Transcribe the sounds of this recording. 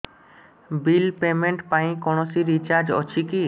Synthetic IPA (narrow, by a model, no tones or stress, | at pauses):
bilpemeɳʈpaĩkɔɽ̃osiɾit͡ɕaɾd͡ʑɔ̰t͡ɕʰiki